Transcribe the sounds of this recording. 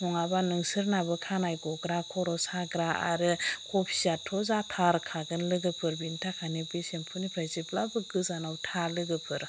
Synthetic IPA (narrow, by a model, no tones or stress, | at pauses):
mɔŋabanɯŋsɯɾnabɯkʰanajɡɔɡɾakʰɔɾɔsaɡɾaa̰ɾɯkʰɔpʰi̥zatʰɔzatʰaɾkʰaɡɯnlɯɡɯpʰɯɾbintʰakʰanibesempʰunipʰɾaziblabɯɡɯzanawtʰalɯɡɯpʰɯɾ